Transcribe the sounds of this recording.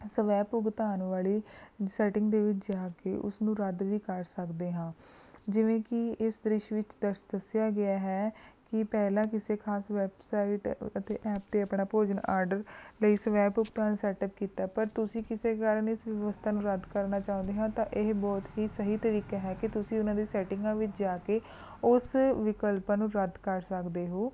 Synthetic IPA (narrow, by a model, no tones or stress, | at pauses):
səʋɛːpʊɡt̪aːnʋaːliːsɛːʈɪŋɡd̪eːʋɪt͡ʃd͡ʒaːkḛːʔʊ̰snũːɾəd̪ʋiːkəɾsəkd̪eːɦãː | d͡ʒɪʋẽːkɪɪsd̪ɾɪʃʋɪt͡ʃd̪əɾʃd̪əsɪjaːɡɪaːɦɛːkɪpɛːlãːk̬ɪseːkʰaːsʋɛbsaːiʈət̪eːʔɛːp̚d̪eːəpnaːpoːd͡ʒənaːɾɖəɾləiːsʋɛːbʊkt̪aːñːsɛːʈəp̚kiːt̪aːpəɾt̪ʊsĩːkɪseːkaɾənɪsʋjəʋəst̪ʰaːnũːɾəd̪kəɾnaːt͡ʃaːʊ̃nd̪eːɦãːt̪ãːʔɪɦbɔːt̪ɦiːsəɦiːt̪əɾiːkaːɦɛːkɪt̪ʊsĩːʊnãːd̪iːsɛːʈɪ̃ŋɡãːʋɪt͡ʃd͡ʒaːkeː | ʊsʋɪkəlpaːnũːɾəd̪kəɾsəkd̪eːɦoː